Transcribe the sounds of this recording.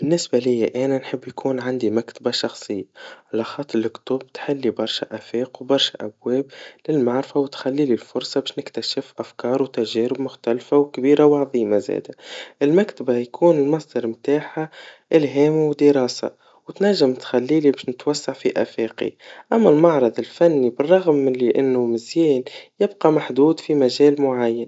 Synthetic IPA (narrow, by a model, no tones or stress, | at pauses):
b̥ɪnːɪsbalɪjːaʔæːnanħɪbːjkʰuːnʕand̪imakt̪abaʃɑxsˤɨjːaʕalaxɑːt̪ˤːɾlɪkt̪ʊb̚t̪ħɪlːibɑɾˤʃaʔæfeːqwbɑɾˤʃaʔæbwɛːblɪlmaʕɾɪfawt̪xælːiːlilfʊɾˤsˤɑbɪːʃnɪkt̪aʃɪfʔafkɑːɾˤwt̪æʒɛːɾɪbmʊxt̪ælfawkbiːɾawʕɑðˤiːmazɛ̰ːd̪aʔɪlmakt̪abajkʰuːnɪlmɑsˤd̪ɑɾˤmt̪aːħaʔɪlɦɛːmwd̪ɪɾˤɑːsa̰ | wt̪næʒːɪmt̪xælːiːlibɪːʃnɪt̪wasːaʕfiʔæ̰feːqḭʔamːælmɑʕɾˤɑd̪ˤɪlfænːibɪrˤːɑɣmːɪliʔɪnːʊmɪzjiːnjɪbqɑmaħd̪uːd̪fimæʒɛːlmʊʕajːan